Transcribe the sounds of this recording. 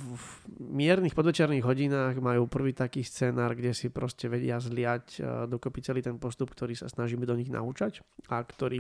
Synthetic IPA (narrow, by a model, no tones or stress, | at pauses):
vmɪɛɾnixpɔd̪ʋɛt͡ʃɪɛɾniɣɦɔɟinaːɣmajuːpr̩ʋiːt̪akiːst͡sɛːnaːɾɡɟɛsipɾɔscɛʋɛɟɪazlɪacd̪ɔkɔpit͡sɛliːt̪ɛnpɔst̪upk̚t̪ɔɾiːsa̰snaʒiːmɛd̪ɔɲiɣna̰ut͡ʃacakt̪ɔɾiː